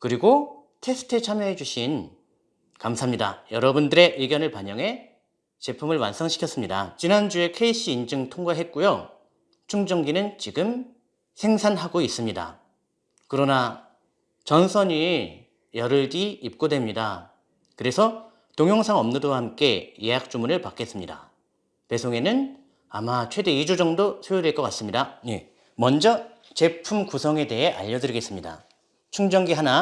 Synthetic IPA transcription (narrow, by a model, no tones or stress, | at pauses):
kɯɾiɡo | tʰe̞sʰɯ̥tʰet͡ɕʰamjʌɦe̞d͡ʑuɕʰin | kamsʰamɲida̰jʌɾʌbundɯɾe̞ʔɯɡjʌnɯɭpaɲʌŋɦe̞ | t͡ɕe̞pʰumɯɭwans͈ʰʌŋɕʰi̥kʰjʌs͈ɯmɲida̰t͡ɕinand͡ʑue̞kʰe̞iɕ͈ʰiːnd͡ʑɯŋtʰoŋɡaɦe̞t̚k͈ujo | t͡ɕʰuŋd͡ʑʌŋɡinɯnt͡ɕiɡɯm | sʰe̞ŋsʰanɦaɡois͈ɯmɲida̰ | kɯɾʌna | t͡ɕʌnsʰʌɲi | jʌɾɯɭɡiːp̚k͈odwe̞mɲida | kɯɾe̞sʰʌ | toŋjoŋsʰaŋʌmnudohamk͈e̞jeak̚t͡ɕ͈umunɯɭpak͈e̞s͈ɯmɲida̰ | pe̞sʰoŋe̞nɯn | amat͡ɕʰwe̞de̞id͡ʑud͡ʑʌŋdosʰejuɾeɭk͈ʌk͈as͈ɯmɲidane̞ | mʌnd͡ʑʌ | t͡ɕe̞pʰumkusʰʌŋe̞de̞ɦe̞ʔa̰ʎːʌdɯɾiɡe̞s͈ɯmɲida̰ | t͡ɕʰuŋd͡ʑʌŋɡiɦana